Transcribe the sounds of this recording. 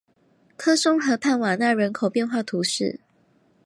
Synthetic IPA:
kʰɤ˥so˥ŋxɤ˧˦p̪ʰa˥˩nwa˨˩na˥˩ɻə˧˦˥nkʰo˨ʊpjɛ˥˧nxwa˥˩t̪ʰu˨˦ʂɻ̩̰˥˩

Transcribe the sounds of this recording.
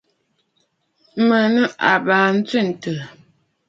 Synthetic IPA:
mə˨nə˦ʔa˨baː˨n̩˦t͡sɥi˦˨n̩˨tə˨

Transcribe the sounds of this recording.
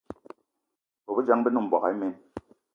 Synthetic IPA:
bo˨bɛ˦d͡ʒa˦ŋbɛ˦nu˦m̩˨bwa˨a̰˨e˦me˦n

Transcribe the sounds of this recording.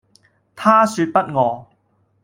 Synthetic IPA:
t̪ʰaː˥syː˧t̚pɐ˥t̚ŋɔː˨˧

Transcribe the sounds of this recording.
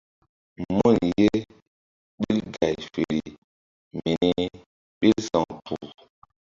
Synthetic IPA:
mu˦˨nje˦ | ɓi˦lɡa˨jfe˨ɾi˨ | me˨ne˦ | ɓi˦lsa˨ŋpu˨

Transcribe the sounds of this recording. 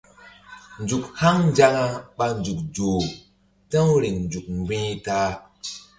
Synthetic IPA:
nd͡ʒu˨kha˦ŋnd͡ʒa˦ŋa˦ɓa˨nd͡ʒu˨k̚d͡ʒo˨ | tə̃˦ɾi˨ŋnd͡ʒu˨k̚mɡ͡bĩ˦ta˦

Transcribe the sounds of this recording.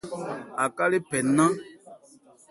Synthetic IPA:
a˨ka˦le˦pɛ˨nã˦

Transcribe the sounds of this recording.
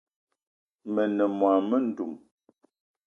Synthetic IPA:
mə˨nə˨mwa˨mə˦n̩˦˨du˨m

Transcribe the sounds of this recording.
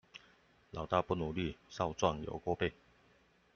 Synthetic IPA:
lɑ˨˦ʊt̪a˥˧pu˥˩nu˨˩li˥˨sɑ˥˧ʊt͡swa˥˩ŋjo̰˨˩kɔ˥˧pe˥˩ɪ

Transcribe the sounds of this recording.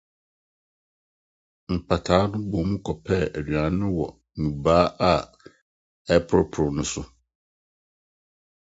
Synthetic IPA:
m̩˨pʰa˨tʰaː˨˦nʊ̃˦bɔ˨˦mũ˦kʰɔ˨pʰɛ˦æ˨da˨˦nʊ̃˦wɔ˨ | nũ˨baː˦ʔa˨ | ɛ˦pʰʊ˦pʰʊ˨ʊ˨nʊ̃˦sʊ˦

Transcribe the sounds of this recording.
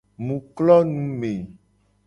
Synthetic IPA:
mũ˨klɔ˦nũ˦me˨

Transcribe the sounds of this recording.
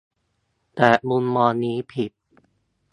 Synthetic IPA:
t̪ɛː˨˩mu˧nmɔː˧niː˦˥pʰi˨˩t̪̚

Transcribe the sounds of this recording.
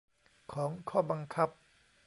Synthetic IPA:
kʰɔː˩˦ŋkʰɔː˥˩ba˧ŋkʰa˦˥p̚

